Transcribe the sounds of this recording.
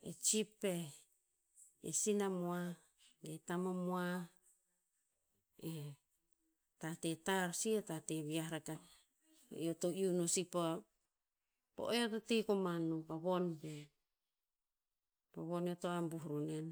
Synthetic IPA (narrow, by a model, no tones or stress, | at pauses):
ḛt͡ʃipːe | ḛsinamoa | ɡetamomoa | e | tatetaɾsietateβiaɾaka̰ | eotoiunusipoa | po̰ʔeototekomanupaβonbe | paβoneotoambuhɾunen